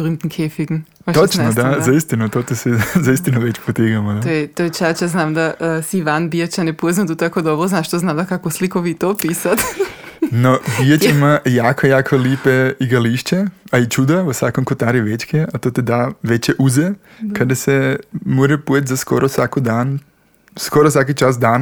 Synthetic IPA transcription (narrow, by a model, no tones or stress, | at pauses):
ɾimt̪nkʰefiɡn | aot͡ʃnod̪azaist̪inut̪ot̪isɛzaist̪inuʋet͡ɕpot̪iɡamod̪t̪ːjet̪ojet͡ʃat͡ʃjaznaːmd̪asiiʋanbiat͡ɕanepoznat̪ut̪akod̪obɾoznaʃt̪oznamd̪akakoslikoʋit̪opisat̪ | nobijat͡ʃimajaːkojaːkʰolipeiɡaliʃt͡ʃeait͡ʃud̪aʋosʋakomkot̪aɾiʋet͡ʃkeat̪oːt̪ed̪aːʋet͡ɕeʔuze | kad̪asemoɾepujet̪ʲzaskoɾʔosʋakod̪aːn | skoɾosʋakit͡ʃasd̪aːn